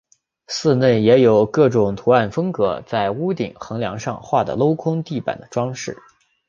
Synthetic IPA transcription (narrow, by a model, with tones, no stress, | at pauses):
sɹ̩˥˧ne˥˩ɪjɛ˧˥jo˨˩ʊkɤ˥˩ʈ͡ʂʊ˨˩ŋt̪ʰu˧˥a˥˩nfɤ˥ŋkɤ˧˥t͡sa˥˩ɪu˥t̪ḭ˨˩ŋxɤ˧˥ŋljɑ̰˧˥ŋʂɑ̰˥˧ŋxwa˥˩d̪ə̰˩lo˥ʊkʰʊ˥ŋt̪i˥˩pa̰˨˩nd̪ə˦ʈ͡ʂwɑ˥ŋʂɻ̩˥˩